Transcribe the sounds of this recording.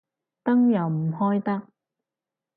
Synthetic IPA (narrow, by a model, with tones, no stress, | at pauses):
t̪ɐ˥ŋjɐ˨˩wm̩˨˩hɔː˥jt̪ɐ˥k̚